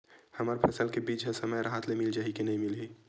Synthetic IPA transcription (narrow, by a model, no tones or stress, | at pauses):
hɐmaːɾpʰɐsəlkebiːt͡ʃɦɛ̃sɐməjɾɦaːt̪lemɪld͡ʒaːɦikinɐɦĩmɪli